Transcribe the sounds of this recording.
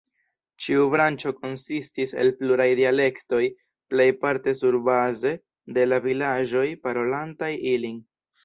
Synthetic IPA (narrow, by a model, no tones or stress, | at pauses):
t͡ʃiubɾant͡ʃo̞ko̞nsistise̞̰lpluɾajdiale̞kto̞j | ple̞jpaɾte̞suɾbaze̞ | de̞lavilaʒo̞jpaɾo̞lantajiliŋ